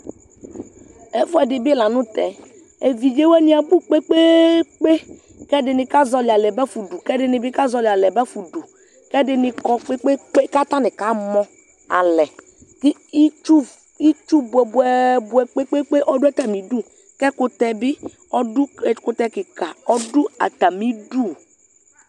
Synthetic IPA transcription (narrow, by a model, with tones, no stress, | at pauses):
ɛ˨fɔ˦ɛ˨dɪ˨bɪ˦la˨nʊ̃˦t̪ɛ˨ | e˨vi˨d͡ʒe˦wɛ˦nĩ˦a˨bu˦k͡pe˦k͡pe˦k͡pe˦ | kɛ˦dɪ˨nɪ˨ka˦zɔ˨lɪ˨a˨lɛ˨bɛ˦fu˨du˨kɛ˦dɪ˦nɪ˨bɪ˦ka˦zɔ˨lɪ˨a˨lɛ˨bɛ˦fu˨du˨ | kɛ˦dɪ˦nɪ˨kɔ˨k͡pe˦k͡pe˦k͡pe˦ka˦t̪a˦nɪ̃˨ka˦mɔ̃˦ | a̰˨lɛ˨ | kɪ˦i˦t͡ʃu˦ | i˦t͡ʃu˦bu˨ɛ˨bu˨ɛ˨bu˨ɛ˨k͡pe˦k͡pe˦k͡pe˦ʔɔ˦dʊ˦a˦˨t̪a˨mĩ˨du˦˨ | kɛ˦kʊ˨t̪ɛ˨bɪ˦ | ɔ˦dʊ˦˨kʊ˨t̪ɛ˨kɪ˨ka˨ɔ˦dʊ˦a̰˨t̪a˨mĩ˦du˦˨